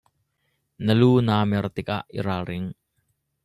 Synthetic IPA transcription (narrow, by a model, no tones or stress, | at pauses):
nəlunamɛrt̪ika̰ʔḭɾaɾɪŋ